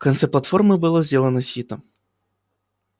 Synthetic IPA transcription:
kɐnt̪sɛplˠɐt̪fɔrmɨbɨlˠɔzʲdʲelˠɐnɔsʲit̪ɐ

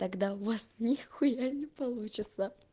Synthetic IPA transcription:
t̪ɐɡd̪avɐsnʲixxʊjanʲɪpɐlˠut͡ɕɪt̪sə

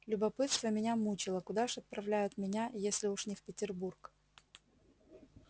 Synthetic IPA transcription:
lʲʊbɐpɨt̪st̪vəmʲɪnʲamut͡ɕɪlˠəkʊd̪aʊʂɐt̪̚pɾɐvlʲæjʊt̪mʲɪnʲajesʲlʲɪuʂnʲɪfpʲɪtʲɪrburk

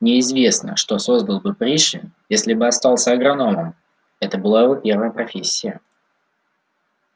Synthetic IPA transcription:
nʲɪɪzvʲe̞snə̰ʂt̪o̞so̞zd̪əlˠbɨpɾʲiʂɪ̰jesʲlʲɪbɨɐst̪ɑlˠsʲəɐɡɾɐno̞mɨm | ɛt̪əbɨlˠaɪvopʲe̞rvəjəpɾɐfʲesʲːɪjə

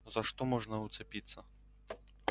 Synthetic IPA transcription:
zɐʂt̪ɔmɔʐnɐut̪sɛpʲit̪sːɐ

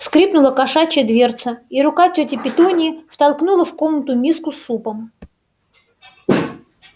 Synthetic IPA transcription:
skɾʲipnʊlˠəkɐʂat͡ɕəd̪vʲe̞rt̪səiɾʊkatʲɵtʲɪpʲɪt̪onʲɪːft̪ɐlˠknulˠəfko̞mnət̪ʊmʲiskʊsːupəm

